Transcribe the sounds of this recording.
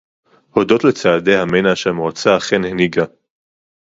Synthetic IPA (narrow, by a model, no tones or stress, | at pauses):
hodo̞t̪let͡saːde̞jhamenaʃamoat͡saχenheniɡa